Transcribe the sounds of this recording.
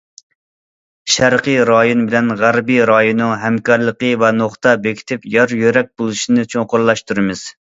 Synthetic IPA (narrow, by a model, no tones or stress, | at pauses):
ʃæɾqəjɾɑjonbɪlɛnʁæɾbijɾɑjonːɨŋɦɛmkɑɾlˠəqəvɛnoχt̪ɑbekʲʰi̥t̪ʰɪpjɑɾjøɾɛk̚ʲbolˠuʃinɨt͡ʃʰoŋqʊɾlˠɑʃt̪uɾɨmɪz̥